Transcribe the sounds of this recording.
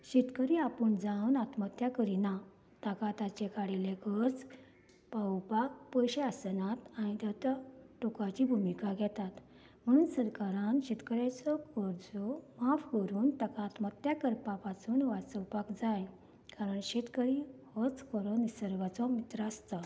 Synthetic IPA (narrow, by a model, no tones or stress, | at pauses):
ɕit̪kəɾiapəɳd͡zawnat̪mət̪jakəɾina | t̪akat̪at͡ɕekaɽilekəɾd͡z | pawpak̚pəjɕeasənat̪añit̪əwt̪aʈokat͡ɕiːbʱumikaɡʱɛt̪at̪ | m̤əɽ̃uːnsəɾkaɾãnɕet̪kəɾjat͡sɔkəɾd͡zɔmafkəɾuːnt̪akaːt̪mət̪jakəɾpapat͡suːnʋat͡səwpakd͡zaj | kaɾəɳɕet̪kəɾihət͡skəɾənisəɾʋat͡sɔmit̪ɾəːst̪a